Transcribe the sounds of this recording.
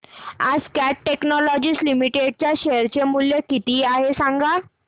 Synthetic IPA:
a̰d͡zkæʈʈeknɔlɔd͡ʑiːslimiʈeɽ̚t͡ɕjaɕeəɾt͡ɕemuljəkit̪iːaɦesaŋɡa

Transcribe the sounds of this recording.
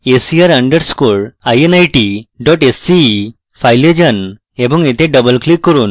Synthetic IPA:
esiaɾəɳɖəɾskoɭajenajʈiɖɔʈesːi | fajled͡ʑən | ebɔŋet̪ʰẽɖəbəlklikːəɾuːn

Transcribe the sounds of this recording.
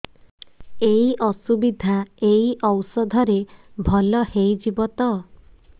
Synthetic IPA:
eiʔɔsubid̪ʱaeiʔɔwsɔd̪ʱɔɾebʱɔlɔhejd͡ʒibɔt̪ɔ

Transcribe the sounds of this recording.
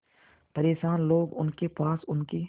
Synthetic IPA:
pɐɾeːʃaːnloːɡʊ̰nkepaːsʊnki

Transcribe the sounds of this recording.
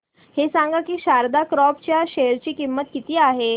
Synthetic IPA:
hesãŋɡakiːɕaɾd̪akɾɔp̚t͡ɕjaɕejəɾt͡ɕiːkimːət̪̚kit̪iːaɦe

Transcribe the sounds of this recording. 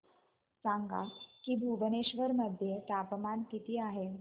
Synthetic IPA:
st͡saŋɡa̰kiːbʱuʋəneɕʋəɾməd̪ʱjet̪apəmankit̪iːaɦe

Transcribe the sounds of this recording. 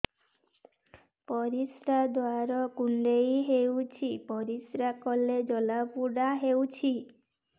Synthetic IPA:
pɔɾisɾad̪oaɾɔkuɳɖejɦewt͡ʃʰipɔɾisɾakɔled͡ʒɔlapuɽaɦewt͡ʃʰi

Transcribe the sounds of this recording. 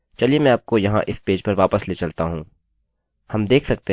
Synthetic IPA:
t͡ʃɐliemɛ̃aːp̚kojɐɦã̰ʔɪspeːd͡ʒpɐɾʋaːpəsleːt͡ʃɐlt̪aɦũː | hɐmd̪eːkʰsɐk̚t̪e

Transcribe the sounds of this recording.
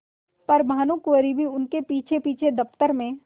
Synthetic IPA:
pɐɾmaːnukuəɾibʱiʊnkepiːt͡ʃʰepiːt͡ʃʰed̪ɐft̪əɾmẽ

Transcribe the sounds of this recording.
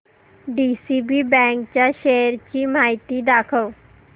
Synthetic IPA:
ɖiːsibibɛ̃ːŋkt͡ɕaʃeɾt͡ɕiːmaːɪt̪id̪aːkʰəʋ

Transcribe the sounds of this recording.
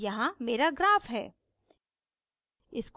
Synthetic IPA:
jɐɦãmeːɾaɡɾaːfɦɛ̰ː | ɪsk

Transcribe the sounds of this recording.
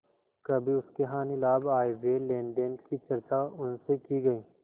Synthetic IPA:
kɐbʱiʊskeɦãːnɪlaːbaːjeʋelẽːɳɖənkit͡ʃɐɾt͡ʃaʊnsekiɡɐiː

